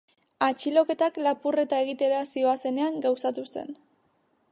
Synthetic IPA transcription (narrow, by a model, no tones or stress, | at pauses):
at͡ʃilo̞ke̞t̪aklapure̞t̪aeɣit̪e̞ɾasio̞ase̞ne̞aŋɡawsat̪use̞̰n